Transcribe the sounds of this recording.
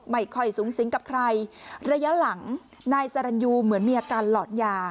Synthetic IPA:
ma˧˩jkʰɔ˧˩jsuː˩˦ŋsi˨˩˦ŋka˨˩p̚kʰɾa˧jɾa˧ja˦˥la˩˦ŋ | naː˧jsaː˧ɾa˧njuː˧mɯ˩˦ənmiː˧ʔaː˧kaː˧nlɔː˨˩t̪̚jaː˧˩

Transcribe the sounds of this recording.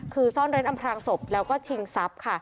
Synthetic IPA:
kʰɯː˧sɔː˥˩nɾe˦˥nʔa˧mpʰɾaː˧ŋso˨˩p̚lɛː˦˥wkɔː˥˩t͡ɕʰi˧ŋsa˦˥p̚kʰa˥˩

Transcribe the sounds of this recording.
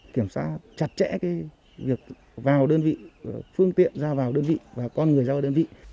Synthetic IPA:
ki˧˩əmsaː˧˥t͡ɕa˨˩t̚t͡ɕɛ̰˧˥kaː˨˦j | vi˨˩ək̚ | vaː˨˩wɗəː˧nvḭ˧˨fɨ˧əŋt̪ḭ˧˨ənzaː˧vaː˨˩wɗəː˧nvḭ˧˨vaː˨˩kɔ˧nŋɨ˨˩əjzaː˧˨˧ɗəː˧nvḭ˧˨

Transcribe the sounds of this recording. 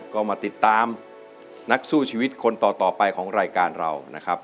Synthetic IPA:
kɔː˥˩wmaː˧t̪i˨˩t̪ːaː˧m | na˦˥k̚suː˥˩t͡ɕʰiː˧wi˦˥t̪̚kʰo˧nt̪ɔː˨˩t̪ɔː˨˩pa˧jkʰɔː˩˦ŋɾaː˧jkaː˧nɾa̰˧wna˦˥kʰɾa˦˥p̚

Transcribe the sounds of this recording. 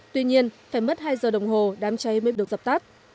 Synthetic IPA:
t̪wi˧ɲi˧ənfaː˧˩jmə˦˥t̚haː˧jzəː˨˩ɗə˨˩wŋ͡mɦo˨˩ɗaː˨˦mt͡ɕa˨˧˦jməː˨˦jɗɨ˨˩ək̚zə˨˩p̚t̪aː˦˥p̚

